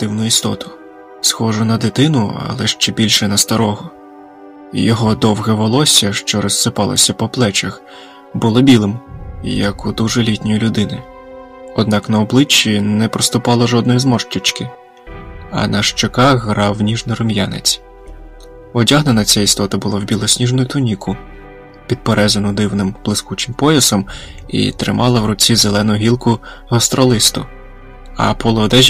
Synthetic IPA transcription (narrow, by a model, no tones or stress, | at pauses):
d̪̥ɪwnʊist̪ɔt̪ʊ̥ | sxɔʒʊnɐd̪ɪt̪ɪnʊɐ̰lˠɛʃt͡ʃɛbʲilʲʃɛnɐst̪ɐɾɔɦɔ | jɔɦɔd̪ɔwɦɛʋɔlˠɔsʲɐʃt͡ʃɔɾɔssɪpɑlˠɐ̰sʲɐpɔplˠɛt͡ʃɐx | bʊlˠɔbʲilˠɪmjɐkʊd̪uʒɛlʲitʲnʲɔjilʲʊd̪ɪnɪ | ɔd̪̚nɑknɐɔblˠɪt͡ʃːinɛpɾɔst̪ʊpɑlˠɐʒɔd̪nɔjizmɔʃtʲʊt͡ʃkɪ | ɐ̰nɐʃt͡ʃekɑxɦɾɑwːnʲiʒnɪjɾɔmjanɪ̰t͡sʲ | ɔdʲaɦnenɐt͡sʲɛjist̪ɔt̪ɐbʊlˠawbʲilˠɔsʲnʲiʒnʊjʊt̪ʊnʲikʊ | pʲid̪̚peɾɛzɐnʊd̪ɪwnɪmb̥lˠɪskut͡ʃɪmpɔjɐsɔm | ḭt̪ɾɪ̰mʔɑlˠɐwɾɔt͡sʲizelˠɛnʊɦʲilˠkʊ | ɦɔst̪ɾɔlˠɪst̪ʊ | ɐ̰pɔlˠɔːd̪ɛʒʲ